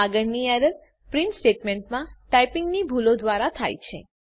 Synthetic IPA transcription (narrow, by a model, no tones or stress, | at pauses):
aɡəɾniaɾə | pɾiɳʈsʈeʈmẽɳʈmãʈajpɪŋɡnibʱulod̪ʋaɾat̪ʰa̰jt͡ʃʰḛ